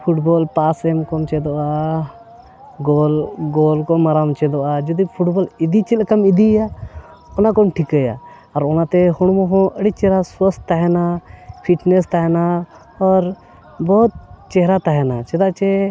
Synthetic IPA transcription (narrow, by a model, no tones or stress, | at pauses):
pʰuʈboːlpaːsemkomt͡ʃed̪oaː | ɡoːlɡoːlkoməɾaːmt͡ʃed̪oaːd͡ʒɐd̪ipʰuʈboːlɪd̪it͡ʃelkɐmɪd̪ijaː | onãkomʈʰikəja̰ | ɔɾonãt̪eɦʊɽmõɦõʔəɽit͡ʃeɦɾaswəst̪ːəɦenapʰiʈnest̪aɦena | ɔːɾ | bɔːt̪̚t͡ʃeɦɾat̪aɦenat͡ʃed̪at͡ʃe